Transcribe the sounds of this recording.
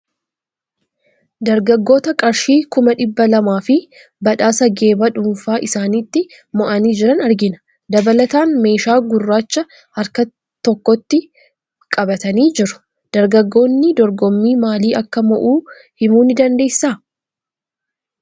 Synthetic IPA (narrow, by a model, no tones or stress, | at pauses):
d̪ɐɾɡɐɡːo̞ːt̪ɐkʼɐɾʃiːkʊmɐᶑɪbːɐlɐmaːfɪ | bɐᶑaːsɐɡe̞ːbɐᶑʊɱfaːʔɪsaːnit̪ːɪ | mɔʔɐniːd͡ʒɪɾɐnɐɾɡɪnɐ̥ | d̪ɐbɐlɐt̪aːnme̞ːʃaːɡʊrːaːt͡ʃːɐ | hɐɾkɐ | t̪ɔkːɔt̪ːɪ | kʼɐbɐt̪ɐniːd͡ʒɪɾʊ̥ | d̪̥ɐɾɡɐɡːo̞ːnːɪd̪ɔɾɡɔmːiːmaːliːʔɐkːɐmɔʔuː | hɪmuːnɪd̪ɐnd̪e̞ːjsaː